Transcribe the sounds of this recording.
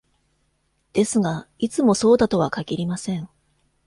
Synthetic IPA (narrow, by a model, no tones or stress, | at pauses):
d̪̥e̞sɨɡait͡sɨmo̞so̞ːd̪at̪o̞βakaɡʲiɾʲimasẽ̞ɴ